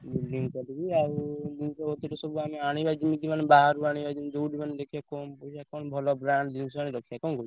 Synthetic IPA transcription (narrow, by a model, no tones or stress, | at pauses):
bilɖiŋɡkɔɾibiaɾd̪insɔɦot̪iʈɔsɔbuameaɽ̃ibad͡ʒimid̪imanebaɦaɾuaɽ̃ibad͡ʒimd͡ʒouɖimaned̪ekʰijakɔmpɔit͡ʃʰakɔñbʱɔlɔbɾaɳɖd̪insɔañeɾɔkʰijakɔnɡoi